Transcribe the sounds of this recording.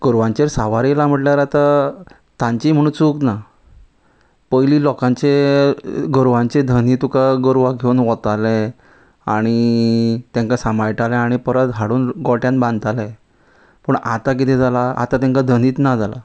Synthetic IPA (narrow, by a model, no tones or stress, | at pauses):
ɡ̥əɾʋãɲt͡ɕeɾsaʋaɾilam̤əʈljaɾat̪a | t̪ãɲt͡ɕiːm̤əɽ̃uːt͡sukna | pəjliːlɔkãɲt͡ɕe | ɡəɾʋãɲt͡ɕed̪ʱəniːt̪ukaɡəɾʋaɡʱeunʋɔt̪ale | a̰ɽ̃it̪ãŋkasamajʈalɛ̃aɽ̃ipəɾət̪ɦaɽuːnɡɔʈjãnbãnd̪̚t̪alɛ̃ | pəɳa̰t̪ak̬it̪ʰɛ̃d͡zalaa̰t̪at̪ãŋkad̪ʱəniːt̪nad͡zala̰